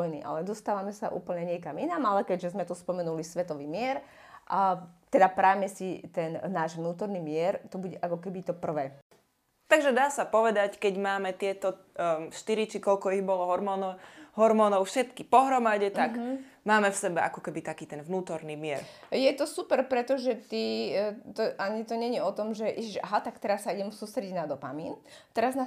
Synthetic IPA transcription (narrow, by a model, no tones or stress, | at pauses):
jnḭʔa̰lɛd̪ɔst̪aːʋamɛsaʔṵːpl̩ɲɛɲɪɛkaminamalɛkɛɟʒɛzmɛt̪uspɔmɛnulisʋɛt̪ɔʋiːmɪɛɾ | ʔat̪ɛd̪apɾajmɛsit̪ɛnnːaːʒʋnuːt̪ɔɾnimɪɛɾt̪ɔbuɟɛʔakɔkɛbit̪ɔpr̩ʋɛː | t̪aɡʒɛd̪aːsapɔʋɛd̪ackɛɟmaːmɛt̪ɪɛt̪ɔ | ʃt̪iɾit͡ʃikɔʎkɔiɣbɔlɔɦɔɾmɔːnɦɔɾmɔːnɔʊfʃɛt̪kipɔɦɾɔmaɟɛt̪aɡ | maːmɛfsɛbɛʔa̰kɔkɛbit̪akiːt̪ɛnʋnuːt̪ɔɾnimɪɛɾjɛt̪ɔsupɛɾpɾɛt̪ɔʒɛt̪it̪ɔʔaɲit̪ɔɲɛɲɛɔt̪ɔmʒɛʔiʒiʒaɦat̪akt̪ɛɾasːaiɟɛmsuːst̪ɾɛɟiɟnad̪ɔpa̰miːnt̪ɛɾazna